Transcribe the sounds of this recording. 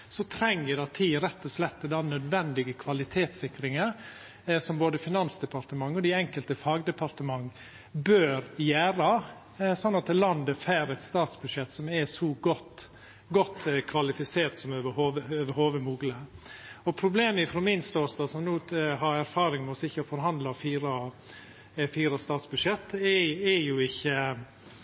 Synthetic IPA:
sɔt̪ʰɾɛŋːədɑt̪ʰiːɾɛt̪ːɔslɛt̪ːəd̪ɑnœd̪ʋɛnd̪ɪɡəkʰʋɑlɪt̪ʰeːt̪sɪkɾɪŋə | sɔmboːd̪əfɪnɑnsd̪ɛpɑɾt̪əmɑŋːəɔd̪ɪɛŋkəlt̪əfɑːɡd̪ɛpʰɑɾt̪əmɑŋː | bøːɾjæːɾɑ | sɔnːɑt̪̚d̪ɛlɑnd̪əfæɾɛt̪st̪ɑːt̪sbʉd̪ʂɛt̪ːsɔmɛsɔɡɔt̪ː | ɡɔt̪ːkʰʋɑlɪfɪseːɾt̪sɔmøʋəhoːʋəøːʋəɾhoːʋəmuːɡləɔpʰɾʊbleːməɪfɾɔmɪnst̪oːst̪ɑsɔmnuːhɑɾæɾfɑːɾɪŋmɛɔsɪçːəfɔɾɦɑnd̪lɑfiːɾɑ | fiːɾɑst̪ɑːt̪sbʉd̪ʂjɛt̪ːɛɛjʊɪçːə

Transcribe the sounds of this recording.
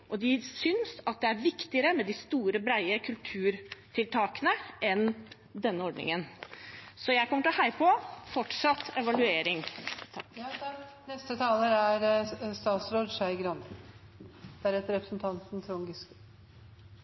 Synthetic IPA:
ʔɔd̪ɪsʏnsɑt̪̚d̪ɛæɾʋɪkt̪ɪəɾəmɛd̪ɪst̪uːɾəbɾæɪəkʰʉlt̪ʰʉːɾt̪ʰɪlt̪ʰɑːkənəʔɛn | d̪ɛnːəɔɖnɪ̰ŋən | sɔjæɪkʰɔmːəʈɔhæɪpʰɔfɔʈʂɑt̪ːɛʋɑlʉeːɾɪŋʰ | nɛst̪ət̪ʰɑːləæɾst̪ɑːt̪sɾoːd̪ʂæɪɡɾɑn | d̪̥æɾɛt̪əɾɛpɾəsn̩t̪ʰɑnt̪n̩t̪ʰɾʊŋɡɪsk

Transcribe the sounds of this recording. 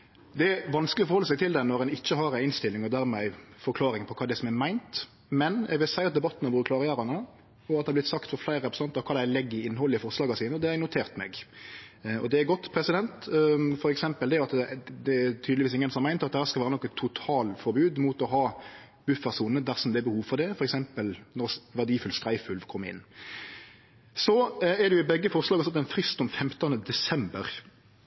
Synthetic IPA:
d̪ɛæʋɑnsklɪɔfɔɾhɔlːəsɛɪt̪ʰɪld̪ɛnɔʁɛnɪçːəɦɑɾæɪɪnst̪ɪlːɪŋɔd̪æɾmæɪfɔɾkʰlɑːɾɪŋpʰɔkʰɑːd̪ɛsɔmɛmæɪnt̪ | mɛnjæ̰ɡʋɪlsæɪɑt̪̚d̪ɛbɑt̪ːənɑbuɾəkʰlɑːɾɪjæːɾɑnə | ɔɑt̪d̪ɛhɑblɪt̪sɑkt̪fɔflæɪɾəɾɛpɾsɑnt̪ɾɑkʰɑːd̪æɪlɛɡːɪɪnːhɔlːəɪfɔɾslɑːɡɑsiːnəɔd̪ɛɛɡnʊt̪ʰeːɾt̪mɛ̰ɡ | ɔ̰d̪ɛæɡɔt̪ːpʰɾɛsɪd̪ɛnt̪fɔɾɛksɛmpəld̪ɛɑt̪ɛd̪ɛæt̪ʰyd̪ʋiːsɪŋːənsɔmːæɪnɾɑt̪̚d̪ɛhæːɾskɑʋæːɾənɔkːɑt̪ʰːʊt̪ʰɑːlfɔɾbʉːd̪mut̪ɔɦɑː | b̥ʉfəʁsuːnəd̪æʁsɔmd̪ɛɛbəhuːʋfɔʁd̪ɛfɔɾɛksɛmpəlnɔɾʋæɖ̪iːfʉlst̪ʁæɪfʉlʋkʰɔmːəɪ̰nː | sɔɛd̪ɛjʊɪbɛɡːəfɔʁslɑːɡɑsɑt̪ːɛnfɾɪst̪ɔmfɛmt̪ɑnəd̪ɛsɛmbəɾ

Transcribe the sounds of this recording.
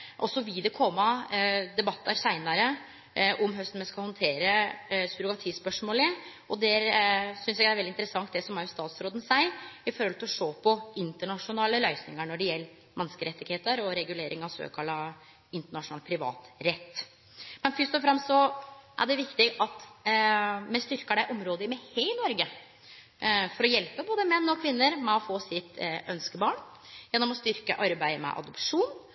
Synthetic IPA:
ʔɔsɔʋɪld̪ɛkʰɔmːɑd̪ɛbɑt̪ʰːəɾsæɪnɑɾə | ʔɔmɦœst̪n̩mɛskɑhɔnt̪ʰeːɾəsɾʊɡɑt̪ʰiːspœʂmoːlɪ | ɔd̪ɛɾsʏnsɛɡæɾɛld̪ɪnt̪əɾəsɑŋt̪̚d̪ɛsɔmæɾjʊst̪ɑːt̪sɾoːd̪ən̩sæɪɪfɔɾhɔlt̪ɪlɔʂoːpʰɔɪnt̪əɳɑʂʊnɑːləlœʏsnɪŋəɳɔɖɛjɛlː | mʔɛnskəɾɛt̪ːɪɡheːt̪əɾɔɾɛɡʉleːɾʔɪ̰ŋɑʋsø̰kʰɑlːɑ | ɪnt̪əɳɑʂʊnɑːlpʰɾɪʋɑ̰ːt̪ɾɛt̪ː | mɛnfʏst̪ɔfɾɑmst̪sɔʔæ̰ɖɛʋɪkt̪ɪɡɑt̪ | mɛst̪ʏɾkəɖæɪʔɔmɾoːd̪əɪmɛheɪnɔɾɡə | fɔɾɔjɛlpəboːd̪əmɛnːɔkʰʋɪnːəɾmɛɔfoːsɪt̪ʔœnskəbɑːɳ | jɛnːɔmɔst̪ʏɾkə̰ʔɑɾbæɪmɛ̰ʔɑ̰d̪ɔpʂuːn

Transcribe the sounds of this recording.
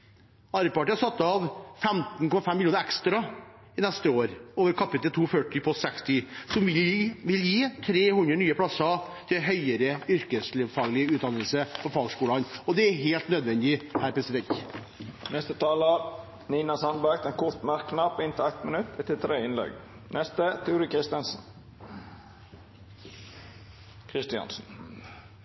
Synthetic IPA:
ɑɾəpɑʈɪːɑɾsɑt̪ːɑʋfɛmt̪n̩kɔmɑfɛmːɪljuːnəɾɛkst̪ɾɑ | ɪnɛst̪əoːɾoːʋəɾkʰɑpɪt̪əlt̪ʰuːfœʈːɪpʰɔsɛkst̪ɪsɔmʋɪʋɪljiːt̪ʰɾeːhʉnd̪ɾənyːəpʰlɑsɑ | t̪ʰɪɦœʏəɾəʏɾkəsleːʋfɑːɡlɪəʉːt̪̚d̪ɑnəlsəpɔfɑːɡskuːlɑnɔd̪ɛæɦeːlt̪nøːd̪ʋɛnd̪ɪhæːɾpʰɾɛsɪd̪ɛnt̪ | nɛst̪ət̪ʰɑːləɾ | niːnɑsɑnbæɡt̪ɛnkʰʊɾt̪mæɾkːnɑpɪnt̪ʰɪlæt̪mənʉt̪ːɛt̪ʰːɪlt̪ʰɾeːɪnlɛ̰ɡ | nʔɛst̪ət̪ʰuːɾɪkʰɾɪst̪ənsn̩ | kʰɾɪst̪ɪɑ̰nsn̩

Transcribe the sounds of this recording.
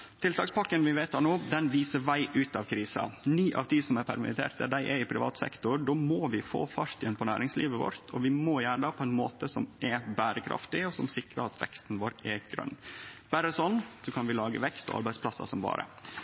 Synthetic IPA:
t̪ʰɪlt̪ɑːkspɑkːənʋɪʋeɪt̪ɑnoːd̪ɛnʋiːsəʋæɪʔʉːt̪ɑʋkʰɾiːsɑ̰nyːʔɑ̰ʋt̪ʰiːsɔmæɾpʰæɾmɪ̰t̪ʰḛːɾt̪̚d̪æɖ̪æɪʔɛɪpʰɾɪ̰ʋɑ̰ːt̪sɛ̰kt̪ʊɾɖoːmoːʋɪfo̰ːfɑɾt̪jɛnpʰɔnæːɾɪŋslḭːʋəʋɔ̰ɾt̪ʰɔʋɪmɔjæːɖɑpʰɔɛɪnmo̰ːt̪əsɔmʔɛbæːɾəkʰɾɑ̰ft̪ɪɔsɔmsɪkɾəɾɑt̪ʰʋɛ̰kst̪n̩ʋoːɾɛɡ̥ɾœ̰nːb̥æɾəsɔnːsɔkʰɑnʋɪlɑːɡəʋɛkst̪ɔ̰ɑ̰ɾbæɪspʰlɑsːɑ̰sɔmbɑ̰ːɾə̰

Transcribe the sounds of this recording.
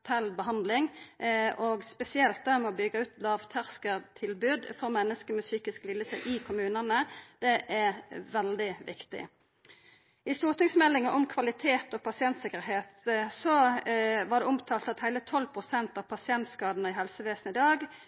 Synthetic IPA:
t̪ʰɛlbəɦɑnd̪lɪŋʔɔɡspɛsɪɛlt̪̚d̪ɛːʁmɛɔbʏɡəʉːt̪lɑːʋt̪ʰæʁskəʁt̪ʰɪlbʉːd̪fɔʁmɛnːəskəmɛsyːkɪsklɪlːəsɛʔɪkʰʊmʉːnənəd̪̥ɛʔɛʋɛld̪ɪʋɪ̰kt̪ɪ̰ | ɪst̪uːʁt̪ɪŋsmɛlːɪŋəʔɔmkʰʋɑlɪt̪ʰeːt̪ɔpʰɑsɪɛnt̪sɪkəɾɦeːt̪sɔʋɑʁd̪ɛʊmt̪ʰɑːlt̪ɑt̪hæɪlət̪ʰɔlːpʰʁʊsɛnt̪ɑʋpʰɑsɪɛnt̪skɑːd̪nəɪɦɛlsəʋeːsən̩ɪd̪ɑːɡ

